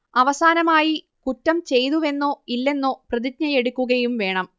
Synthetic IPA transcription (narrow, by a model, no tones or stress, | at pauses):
ɐʋɐsaːnɐmaːji | kutːɐmt͡ɕe̞jt̪uʋe̞nːoːilːe̞nːoːprɐðik̚ɲɐje̞ɽukʲːuɣɐjumʋe̞ːɳɐm